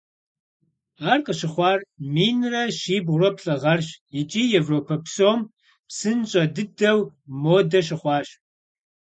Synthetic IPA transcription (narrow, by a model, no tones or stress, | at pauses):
aːrqʼəɕɪχʷɑːrmiːnrɐʃiːbʁʷrɐpɬʼɐʁɐrɕjɪt͡ʃʼiːjɛvroːpʰɐpsoːm | psɨnɕʼɐdɨdɐwmoːdɐɕ̬ɪχʷɑːɕ